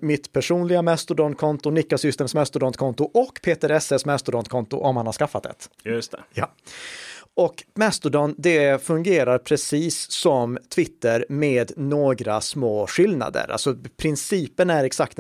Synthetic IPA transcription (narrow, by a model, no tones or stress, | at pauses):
mɪt̪pʰæʂuːnlɪɡamɛst̪ʊɖɔnkʰɔnt̪ʊnɪkːasʏst̪ɛmsmɛst̪ʊɖɔnt̪kʰɔnt̪ʊʔɔkːpʰeːt̪ɛɾɛsesmɛst̪ʊɖɔnt̪kʰɔnt̪ʊ̰ʔɔmhanhaɾʂkafːat̪d̪ɛ̰t̪jɵsjɑ | ɔkmɛst̪ʊɖɔnd̪ɛfɵŋɡeːɾaɾpʰɾɛsiːsːɔmt̪ʰvɪt̪ːəɾmeːd̪noːɡɾa̰smoːɧɪlna̰d̪ə̰ɾa̰lsɔpʰɾɪnsiːpənæɾɛksak̚t̪